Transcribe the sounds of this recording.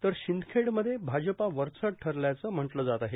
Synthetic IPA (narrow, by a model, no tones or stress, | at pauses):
t̪əɾɕind̪kʰeɽməd̪ʱːjebʱad͡ʑəpaʋəɾt͡səʈʰəɾljat͡səm̤əʈləd͡zat̪aɦe